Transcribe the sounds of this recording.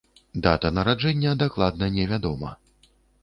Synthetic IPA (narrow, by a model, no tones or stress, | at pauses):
d̪at̪ɐnɐɾad͡ʐɛnʲːɐd̪ɛklˠad̪nɐnʲɛvʲad̪ɔmɐ̰